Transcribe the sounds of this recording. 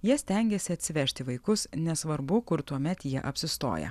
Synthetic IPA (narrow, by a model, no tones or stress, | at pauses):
jiɛsʲt̪ʲɛˑŋʲɡʲɛsʲɪɐt̪ʲsʲɪʋʲɛʃʲt̪ʲɪʋɐɪkʊsnʲɛsʋɐɾbʊkʊɾt̪uɔmʲɛt̪jiɛʔɐpʲsʲɪst̪o̰ːjɛ̰